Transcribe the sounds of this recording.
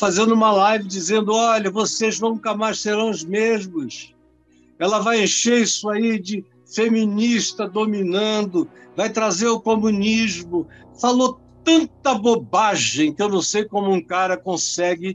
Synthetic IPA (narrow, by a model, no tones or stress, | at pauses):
fazẽd̪ʊũmɐlajvɪd͡ʒizẽnd̪ʊɔʎɐvoseʒnũkɐmajʃseɾɐ̃w̃ʊzmeʒmʊs | ɛlɐvajẽʃeɾisʊaid͡ʒɪ | feminiʃt̪ɐd̪ominɐ̃d̪ʊvajt̪ɾazeɾʊkomuniʒmʊ | falot̪ɐ̃nt̪ɐbobaʒẽj̃kɪewnɐ̃w̃sejkõmʊũkaɾɐkõsɛɡɪ